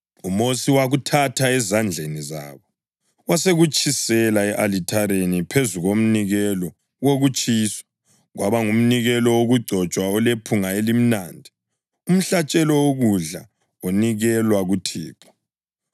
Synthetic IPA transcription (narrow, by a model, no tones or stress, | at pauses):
umosiwaɣutʰatʰaɛzand͡ɮʱeniza̰ːβɔ | waseɣut͡ʃʰʼisɛlaɛʔalitʰaɾenipʰezuɣom̩niɣɛlɔ | woɣut͡ʃʼiːsɔ̥ | ɣwʔaβaŋum̩niɣɛlɔwoɣuɡ͡ǀʱɔt͡ʃʼwaɔlepʰuŋaelim̩naːndʱi | um̩ɬat͡ʃʼɛlɔwoɣuɮa̰ | oniɣɛlwaɣutʰiːpʰɔ̥